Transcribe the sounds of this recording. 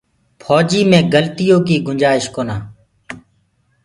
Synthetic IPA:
pʰɔːd͡ʒiːmẽːɡəlt̪ɪjõːkiːɡʊɲd͡ʒaːɪʃkoːnaː

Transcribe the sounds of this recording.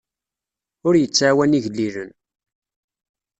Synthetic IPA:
ʊɾjət͡sːʕawæniʝlːiðən

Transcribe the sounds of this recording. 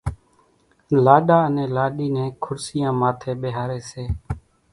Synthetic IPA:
laːɗaːənẽːlaːɗiːnẽːkʰʊɾsɪjãːmaːt̪ʰeːɓeːɦaːɾeːseː

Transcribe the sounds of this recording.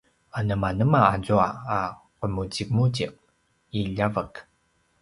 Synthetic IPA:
anəmanəmaːzuaa | qəmut͡simut͡ɕiq̚ | iʎavək

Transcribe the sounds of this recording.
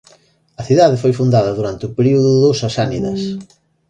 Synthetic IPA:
ɐθiðaðɪfojfund̪aðɐðuɾant̪ɪʊpeɾiuðʊðosɐsaniðɐs

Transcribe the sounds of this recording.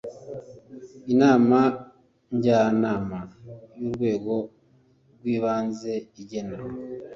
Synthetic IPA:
inaːma | ɲɟaːnaːmajuɾɡwe̞ːɡo̞ | ɾɡwiːβaːnze̞iɟe̞neɾwo

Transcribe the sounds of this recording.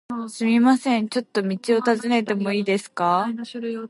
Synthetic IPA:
sɨmʲimasẽ̞ɲ̟t͡ɕo̞t̪ːo̞mʲit͡ɕio̞t̪azɨne̞t̪e̞mo̞iːd̪e̞sɨ̥ka

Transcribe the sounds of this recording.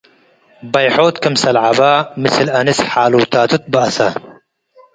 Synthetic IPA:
bɐjħoːt̪kɐmsɐlʕabamɨslɐnisħaːluːt̪ʰaːt̪ʰut̪̚bɨɐsa

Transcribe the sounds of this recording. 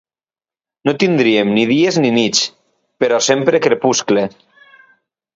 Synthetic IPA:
not̪ind̪ɾiemniðiezninit͡s | peɾɔsempɾekɾepuskle

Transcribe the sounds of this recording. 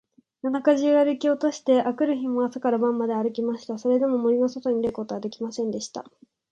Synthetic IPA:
nanakaʑiaɾɯ̟kʲio̞t̪oɕi̥t̪e̞ʔakɯ̟ɾɯ̟çimoasakaɾabãmːad̪e̞aɾɯ̟kʲimaɕi̥t̪aso̞ɾe̞d̪e̞mo̞mo̞ɾʲino̞so̞t̪o̞ɲ̟iɾeko̞t̪oɡad̪ekʲimasẽ̞nd̪e̞ɕi̥t̪a̰

